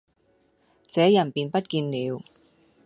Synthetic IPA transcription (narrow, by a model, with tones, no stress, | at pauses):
t͡sɛː˨˥jɐ˨˩npiː˨npɐ˥t̚kiː˧nniː˨˧w